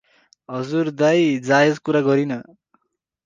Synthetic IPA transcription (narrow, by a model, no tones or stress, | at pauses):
ɦʌd͡zurd̪ajd͡zaed͡zkuɾaɡʌɾinʌ